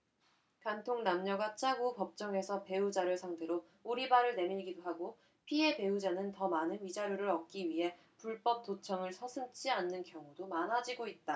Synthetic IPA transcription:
kantʰoŋnamɲʌɡat͡ɕʰaɡupʌp̚t͡ɕ͈ʌŋe̞sʰʌpe̞ud͡ʑaɾjosʰaŋtʰe̞ɾo | uɾibaɾɯɭne̞miʎɡidoɦaɡo | pʰie̞pe̞ud͡ʑanɯntʌmanɯnmid͡ʑaɾjoɾɯɾʌk̚k͈iɥiɦe̞ | puɭp͈ʌp̚t͈ot͡ɕʰʌŋɯɭsʰʌsʰɯmt͡ɕʰianːɯnkjʌŋudomanɦad͡ʑiɡoit̚t͈a

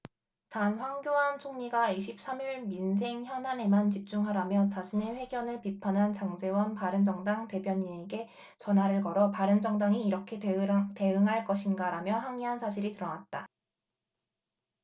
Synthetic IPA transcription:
tanɸwaŋɡjoɦant͡ɕʰoŋɲiɡaiɕʰip̚s͈amiɭmins̬ʰe̞ŋçjʌnɦane̞mant͡ɕip̚t͡ɕ͈uŋɦaɾamjʌt͡ɕaɕʰine̞ɸwe̞ɡjʌnɯɭpipʰanɦant͡ɕaŋd͡ʑe̞wʌnpaɾɯnd͡ʑʌŋdaŋte̞bjʌɲine̞ɡe̞ | t͡ɕʌnɦaɾɯɭkʌɾʌpaɾɯnd͡ʑʌŋdaŋiːɾʌkʰe̞te̞ɯŋɦaɭk͈ʌɕʰinɡaɾamjʌɦwaŋiɦansʰaɕʰiɾitɯɾʌnat̚t͈a

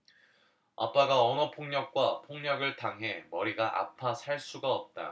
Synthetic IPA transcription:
a̰p͈aɡaʌnʌpʰoŋɲʌk̚k͈wapʰoŋɲʌɡɯɭtaŋɦe̞mʌɾiɡaʔa̰pʰasʰaɭs͈uɡaʌp̚t͈a̰

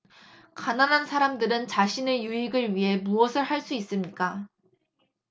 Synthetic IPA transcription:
kananɦansʰaɾamdɯɾɯnt͡ɕaɕʰine̞juiɡɯɭɥiɦe̞muʌsʰɯɭhaɭs͈uis͈ɯmɲik͈a

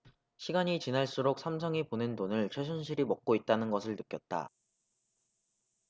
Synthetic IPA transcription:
ɕʰiɡaɲit͡ɕinaɭs͈uɾok̚s͈ʰamsʰʌŋiponɯntonɯɭt͡ɕʰwesʰunɕʰiɾimʌk̚k͈oit̚t͈anɯnɡʌsʰɯɭnɯk͈jʌt̚t͈a̰

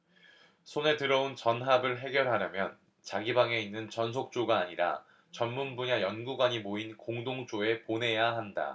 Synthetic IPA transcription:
sʰone̞tɯɾʌunt͡ɕʌnɦabɯɭɦe̞ɡjʌɭɦaɾjamjʌn | t͡ɕaɡibaŋe̞inːɯnt͡ɕʌns̬ʰok̚t͡ɕ͈oɡaːɲiɾa̰ | t͡ɕʌnmunbuɲajʌnɡuɡwaɲimoinkoŋdoŋt͡ɕ͈oe̞pone̞jaɦanda̰

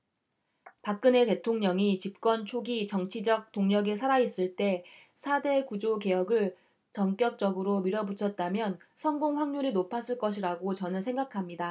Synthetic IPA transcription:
pak̚k͈ɯne̞te̞tʰoŋɲʌŋit͡ɕip̚k͈wʌnt͡ɕʰoɡit͡ɕʌŋt͡ɕʰid͡ʑʌk̚t͈oŋɲʌɡesʰaɾais͈ɯɭt͈e̞ | sʰade̞kud͡ʑoke̞jʌɡɯɭ | t͡ɕʌŋk͈jʌk̚t͡ɕ͈ʌɡɯɾomiɾʌbut͡ɕʰʌt̚t͈amjʌnsʰʌŋɡoŋɸwaŋɲuɾinopʰas͈ɯɭk͈ʌɕʰiɾaɡot͡ɕʌnɯnsʰe̞ŋɡakʰamɲida

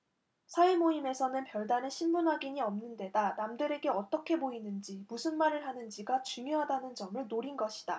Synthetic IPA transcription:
sʰaimoime̞sʰʌnɯnpjʌɭdaneɕʰimbunɦaɡiɲiʌmnɯnde̞danamdɯɾe̞ɡe̞ʌt͈ʌkʰe̞boinɯnd͡ʑimusʰɯnmaɾɯɭhanɯnd͡ʑiɡat͡ɕuŋjoɦadanɯnd͡ʑʌmɯɭnoɾinɡʌɕʰi̥d̥a

